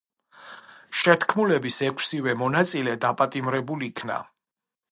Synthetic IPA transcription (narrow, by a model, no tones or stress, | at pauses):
ʃɛt̪ʰkʰmulɛbisɛkʰsivɛmɔnat̪sʼilɛd̪apʼat̪ʼimɾɛbuliikʰna̰